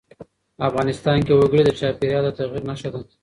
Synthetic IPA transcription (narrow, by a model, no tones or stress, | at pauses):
afɣɑnɪst̪ɑnkewaɡəɽid̪ət͡ʃɑpeɾjɑd̪at̪aɣiɾnaʃad̪a